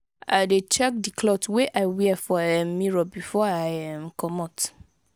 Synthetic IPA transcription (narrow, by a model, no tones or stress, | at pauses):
aɪdet͡ʃɛk̚dikʰlɔtweʔaɪwiɛfɔɛmːĩɹɔbifɔaɪɛmkʰɔmɔt